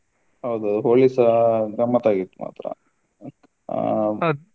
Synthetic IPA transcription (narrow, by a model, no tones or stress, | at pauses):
ɦɐwd̪uɐd̪uɦoːɭisɐɡɾɐmːɐt̪aːɡit̪ːuma̰ːt̪ɾɐ̰